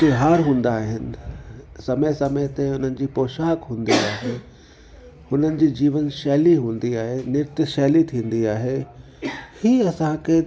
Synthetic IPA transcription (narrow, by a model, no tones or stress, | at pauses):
t̪ɪɦaːɾɦũːn̆d̪aːɦɪnɪ̆sɐməsɐmət̪ẽʊn̤ənɪ̆d͡ʑiːpoːʃaːkɦũːnd̪iaːɦeː | hʊn̤ənɪ̆d͡ʑiːd͡ʑiːʋənʃɛːliɦũːn̆d̪iaːɦenɪɾt̪ʃɛːlit̪ʰĩːnd̪iaːɦe | hiːɐsãkʰe